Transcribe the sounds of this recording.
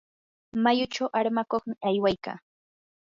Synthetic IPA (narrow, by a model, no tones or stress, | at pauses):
majʊt͡ʃawʔaɾmakoχmɪʔajwajka̰ː